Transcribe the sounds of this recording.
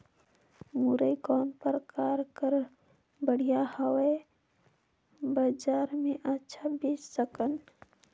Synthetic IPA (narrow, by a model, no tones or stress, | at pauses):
muɾəikɔːnpəɾkaːɾkəɾ | bəɽ̤ijahəwe | bad͡ʒaːɾmẽʔətːʃʰabeːd͡ʒsəkən